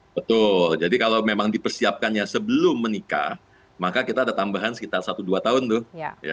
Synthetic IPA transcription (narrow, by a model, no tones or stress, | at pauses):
bət̪ʊld͡ʒadikalawmemaŋdipərsiap̚kanjasəbəlʊmːənika̰ | makakit̪aːdat̪ambaɦansə̥kit̪arsat̪uduat̪aɦʊnt̪ʊhja̰